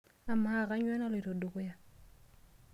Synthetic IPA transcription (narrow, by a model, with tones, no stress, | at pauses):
a˨ma˦˨ka˨˦ɲwɛ˦nɔ˦li˨to˨du˨kʊ˦ja˨